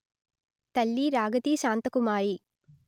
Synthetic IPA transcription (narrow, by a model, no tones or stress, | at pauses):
t̪ɐlːiːɾaːɡɐt̪iːʃaːnt̪ɐkumaːɾi